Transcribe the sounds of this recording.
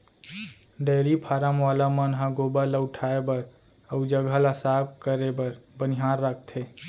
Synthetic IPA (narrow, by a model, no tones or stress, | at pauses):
ɖeːɾipʰaːɾəmʋaːlamənɦãɡobaləwʈʰaebəɾ | əʊd͡ʒəɡʱəlasaːb̚kəɾebəɾbəniɦaːɾːəkʰt̪ʰe